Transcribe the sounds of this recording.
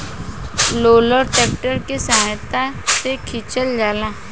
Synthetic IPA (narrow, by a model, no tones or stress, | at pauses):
loːləɾʈeːk̚ʈəɾkesaːt̪asekʰit͡ʃəld͡ʒaːlãː